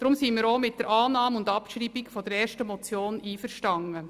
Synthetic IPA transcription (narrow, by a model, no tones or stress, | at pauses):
d̥ɾʊmsimiːɾomɪt̚d̥əɾʔɑːnɑːmʊndɑpʃɾiːbikfɔd̥əɾɛːɾʃtəmɔt͡sjoːniːfəɾʃtɑŋːə